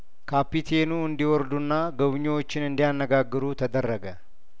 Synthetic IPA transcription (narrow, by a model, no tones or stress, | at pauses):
kaːpːit̪ʰeːnuːʊnd̪ɪwɔɾd̪ʊnːaːɡɐβɪɲːoːt͡ʃːɪnɪnd̪ɪjanːɐɡaːɡːɪɾuːt̪ʰɐd̪ɐrːɐɡɐ